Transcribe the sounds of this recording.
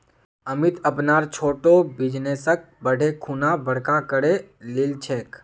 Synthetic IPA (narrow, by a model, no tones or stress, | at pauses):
əmɪt̪əpnaːɾt͡ʃʰoːʈobɪd͡ʒneːsək̚bəɽʱekʰunabəɽ̤kakəɽelɪlt͡ʃʰeːk